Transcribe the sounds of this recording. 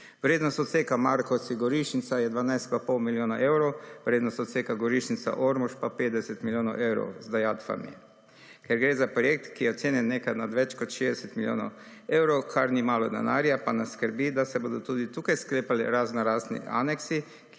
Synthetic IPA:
ʋɾeːd̪nɔst̪ɔt̪seːkamaɾkɔsiɡɔɾiʃnit̪sajɛd̪ʋanajst̪papɔwmiljoːnaʔewɾɔwʋɾeːd̪nɔst̪ɔt̪seːkaɡɔɾiʃnit̪sa̰ʔoɾmuʃpapeːd̪ɛsɛt̪miljoːnɔʊʔewɾɔ̰ʊzd̪ajaːt̪fa̰mḭ | kɛɾɡɾeːzapɾɔjek̚t̪kijɛɔt̪seːnjɛnːeːkanad̪ʋɛt͡ʃkɔt̪ʃeːzd̪ɛsɛt̪miljo̰ːnɔ̰ | ewɾowkʰaɾnimaːlɔd̪ɛ̰naːɾjapanaskəɾbiːd̪asɛboːd̪ɔt̪uːd̪it̪uːkajskleːpalḭɾaznɔɾaːznḭʔa̰nɛksi

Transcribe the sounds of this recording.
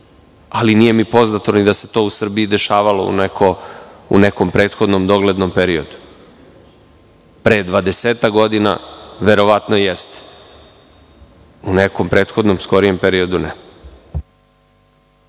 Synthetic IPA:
aliniːje̞mipo̞znat̪onid̪ase̞̥t̪o̞ːusr̩biid̪e̞ʃaːʋalo̞̰ṵnekʰoṵneko̞mpɾeːt̪xod̪nomd̪o̞ɡled̪no̞mpeɾiod̪u̥ | pɾed̪ʋad̪eseːt̪akɡo̞d̪ina̰ʋe̞ɾo̞ʋat̪nojest̪ | unekompɾe̞ːt̪xo̞d̪no̞msko̞ɾije̞mpeɾio̞d̪une

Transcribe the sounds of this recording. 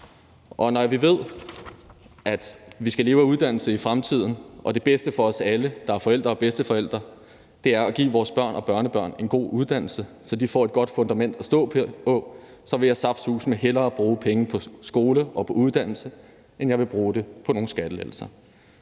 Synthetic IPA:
ʔɒ̽nɒʋiʋe̝ð̞̰ˠ | ʔæd̥ʋisɡ̥æle̝ːʊæuð̞ˠd̥æn̰l̩səifʁamt͡sʰið̞̰ˠn̩ʔɒ̽d̥e̝b̥esd̥əfɒ̽ɒ̽sæləd̥ɑ̈æɐfɒ̽el̰d̥ʁɐɒ̽b̥esd̥əfɒ̽el̰d̥ʁɐ | d̥e̝æɐæɡ̥ḭːʋɒːsb̥ɶɐ̰nʔɒ̽b̥ɶɐnəb̥ɶɐ̰ne̝nɡ̥o̝̰ːuð̞ˠd̥æn̰l̩sə | sɒ̽d̥ifɒ̰ːe̝d̥̚ɡ̥ɒ̽d̥fɔ̽nd̥æmen̰d̥æsd̥ɔ̰̽ːɔ̽ | sɒ̽ʋe̝jɑ̈ɪsɑ̈b̥shṵːsmeɦelɐːb̥ʁuːpʰeŋəpʰɒ̽sɡ̥o̝ːləʔɒ̽pʰɒ̽uðˠd̥æn̰l̩sə | ʔenjɑ̈ɪʋe̝b̥ʁuːd̥e̝pʰɒ̽no̝ːn̩sɡ̥æd̥əlḛl̰sɐ

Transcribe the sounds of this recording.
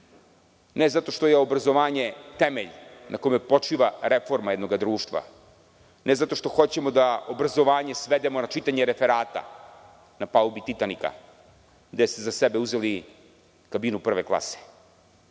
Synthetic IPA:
nezat̪o̞ʃt̪o̞jeobɾazo̞ʋaːɲe̞t̪emḛʎnʔakomepo̞t͡ʂiʋaɾefo̞ɾmajɛd̪no̞ɡad̪ɾuːʃt̪ʋa̰ | nʔezat̪o̞ʃt̪o̞xo̞t͡ɕe̞mo̞d̪aobɾazo̞ʋaːɲe̞sʋed̪emonat͡ʃit̪aɲeɾefeɾaːt̪a̰ | napaubit̪it̪anika̰ | d̪est̪ezasebeuzeli | kabiːnupr̩ʋeklˠa̰se̥

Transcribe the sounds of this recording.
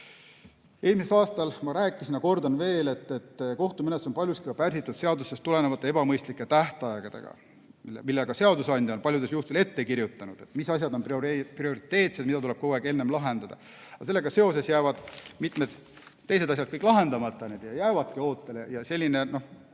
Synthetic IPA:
e̞ːlmiselɑːst̪ɑlmɑɾæːkːˑisinjɑko̞rd̪ɑnve̞ːle̞t̪ːet̪ːko̞ht̪umeneso̞npɑlʲjuskikɑpærsit̪ːˑud̪̥se̞ɑd̪usest̪ule̞nevɑt̪ˑːee̞bɑmɤjst̪likːˑet̪æht̪ɑeɡ̥ɑd̪̥ḛɡ̥ɑ̰ | ilmilːeɡ̥ɑse̞ɑd̪usɑnʲd̪ʲjɑonpɑlʲjud̪e̞sjuht̪ele̞t̪ːe̞kiɾjut̪ːˑɑnud̪̥e̞t̪ːˑmisɑs̬ʲjɑd̪o̞npprio̞ɾit̪ːˑe̞ːt̪sed̪mid̪ɑt̪ule̞b̥̚koeke̞nːe̞mlɑɦend̪ɑd̪ɑ̰ | ɑselːe̞ɡ̥ɑse̞o̞s̬e̞sjæːvɑd̪̥mit̪ˑme̞d̪̥ | t̪ːe̞js̬eɑɕ̬s̬ʲɑd̥̪kɤjkːˑlɑɦe̞nd̪̥ɑmɑt̪ːˑɑned̪̥jɑjæːvɑd̪̥̚kio̞ːt̪ːˑe̞lejɑse̞lʲːine̞no̞h

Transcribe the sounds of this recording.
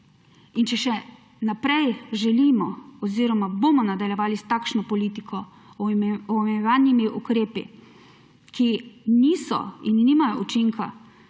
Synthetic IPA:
int͡ʃɛʃɛ | napɾɛjʒɛlimɔɔziːɾɔmabomɔnad̪aljɛʋaːlist̪akʃnɔpɔliːt̪ikʰɔ | ɔmejɔʋanimiʔukɾeːpḭ | kiniːsɔ̰inːimajɔut͡ʃiŋka

